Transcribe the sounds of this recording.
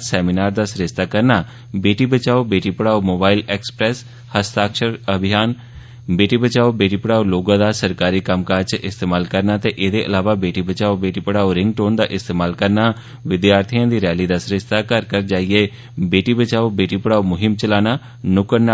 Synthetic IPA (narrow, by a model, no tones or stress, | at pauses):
sɛːminaːɾd̪aːsɾɪst̪aːkəɾnaː | beːʈiːbət͡ʃaːoːbeːʈiːpəɽaːomoːbaːilɛːkspɾɛːs | həst̪aːkʃəɾəbʱɪjaːn | beːʈiːbət͡ʃaːobeːʈiːpəɽaːoloːɡãːd̪aːsəɾkaːɾiːkəmkaːt͡ʃʔɪst̪eːmaːlkəɾnaːt̪eːʔeːd̪eːʔəlaːʋaːbeːʈiːbət͡ʃaːobeːʈiːpəɽaːoɾɪŋɡ̚ʈoːnd̪aːʔɪst̪eːmaːlkəɾnaː | ʋɪd̪jaːɾt̪ʰijãːd̪iːɾɛːliːd̪aːsɾɪʃt̪aːkəɾkəɾd͡ʒaːieː | beːʈiːbət͡ʃaːoːbeːʈiːpəɽaːomʊɦɪmt͡ʃəlaːnaː | nʊkəɾna